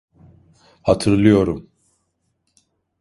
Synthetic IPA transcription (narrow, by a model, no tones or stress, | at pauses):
hat̪ʰɯɾlˠɯjo̞ɾum